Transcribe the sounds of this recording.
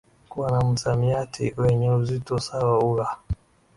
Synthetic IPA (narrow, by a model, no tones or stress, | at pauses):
kuwanam̩samiatʰḭwɛɲɛuzitɔsawauɾa